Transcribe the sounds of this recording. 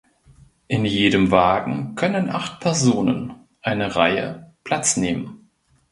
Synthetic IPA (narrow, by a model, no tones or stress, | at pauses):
ʔɪnjeːdəmvaːɡŋ̩kʰœnənʔaχtpʰɛɐzoːnə̰n | ʔaɪnəʁaɪə̰pʰl̥at͡sneːmən